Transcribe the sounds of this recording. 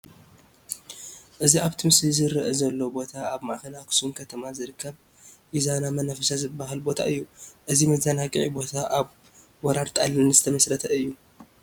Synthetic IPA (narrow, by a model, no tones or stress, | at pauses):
ʔɨziaβt̪ʰɨmszɨɾɨʔɛzɐlːobo̞t̪ʰaaβmaʔxɐlakʰsumkʰɐt̪ʰɐmazɨɾɨkːɐβ | ʔizanamɐnafɐsazɨbːaɦalbo̞t̪ʰa̰ʔɨjːuʔɨzimɐzanakʼḭʕibo̞t̪ʰaʔaβ | wɔɾaɾt̪ʼa̰lɨnzɨt̪ʰɐmɐsɾɐt̪ʰɐɨjːu